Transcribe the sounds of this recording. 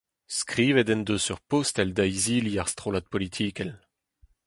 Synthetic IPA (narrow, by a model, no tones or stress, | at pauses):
skʁiːvɛd̪ɛnd̪øsyʁpost̪ɛld̪ajziːliaʁst̪ʁolat̪̚pɔlit̪ʰiːkɛl